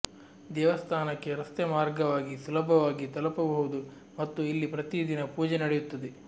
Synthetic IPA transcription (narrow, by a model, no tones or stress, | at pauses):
d̪ɛːʋɐst̪ʰaːnɐkːe̞ɾɐst̪jɛmaːɾɡɐʋaːɡisulɐbʱɐʋaːɡit̪ɐlɐpɐbɐɦud̪u | mɐt̪ːuilːipɾɐt̪id̪inɐpuːd͡ʒenɐɽejut̪ːɐd̪e